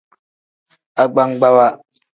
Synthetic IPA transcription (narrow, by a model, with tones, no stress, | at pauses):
a˦ɡ͡ba˦ŋɡ͡ba˦wa˦